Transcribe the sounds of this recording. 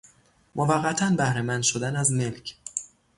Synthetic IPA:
mʔovæɢːæt̪ʰænbæhɾemænd̪̥ʃod̪ænæzme̞lcʰ

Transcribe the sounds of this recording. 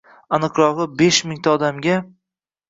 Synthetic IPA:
anɨqɾɒʁɨbeʃmɪŋt̪ʰaɒd̪amɡʲa

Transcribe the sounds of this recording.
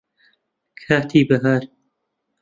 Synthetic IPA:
kʰaːt̪ʰiːbɐɦaːɾ

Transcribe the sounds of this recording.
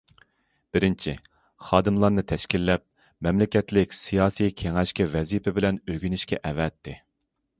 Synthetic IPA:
b̥ɪɾɪnt͡ʃʰi | χɑːd̪ɨmlˠɑɾnɨt̪ʰɛʃkʲilːɛp̚ | mɛmlɪkʲɛt̪lɪkʲsijɑːsikʲʰeŋɛʃkʲɛvɛzipʰɪbɪlɛnøɡʲynɪʃkʲɛʔɛvɛt̪ʰːɪ

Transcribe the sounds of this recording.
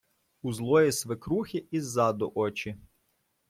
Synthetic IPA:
uzlˠɔjisʋɪkɾuxʲiʔizːɑd̪ɔʔɔt͡ʃi

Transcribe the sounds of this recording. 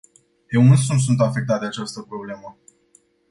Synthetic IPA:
jewunsunt̪s̬unt̪afe̞k̚t̪at̪̚d̪eat͡ʃast̪əpɾo̞ble̞mə

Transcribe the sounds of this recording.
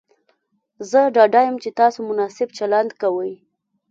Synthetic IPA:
zəɖɑɖajəmt͡ʃet̪ɑsomʊnɑsɪb̚t͡ʃaland̪kawəj

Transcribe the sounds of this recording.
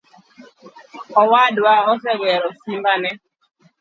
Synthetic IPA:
ɔwadwaɔs̬ɛɡɛɾɔsimbanɛ

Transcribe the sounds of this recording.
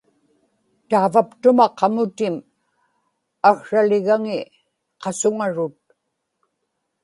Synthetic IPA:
t̪aːvapt̪ʊmaqʰɑmʊt̪ɪm | axʂalɪɣaŋɪ | qɑsʊŋaɻʊt̪̚

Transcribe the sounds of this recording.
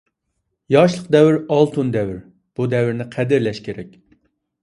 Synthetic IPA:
jɑʃlˠəqd̪ɛwɪɾɑlˠt̪ʰund̪ɛwɪɾ | b̥ud̪ɛwɪɾnɪqʰæd̪ɪɾlɛʃkʲʰeɾɛkʲ

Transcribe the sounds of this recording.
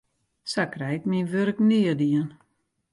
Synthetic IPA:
sakrɛjkminʋøɾknɪədiən

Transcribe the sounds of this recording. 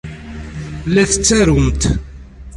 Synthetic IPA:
lːæθə̥t͡sːæɾəmt̪

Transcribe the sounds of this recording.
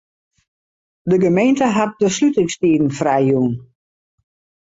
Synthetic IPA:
dəɡəmejntəɦat̚dəslytɪŋstiːdn̩frajjuːn

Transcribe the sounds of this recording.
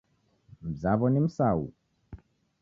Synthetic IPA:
m̩zaβɔnim̩saṵ

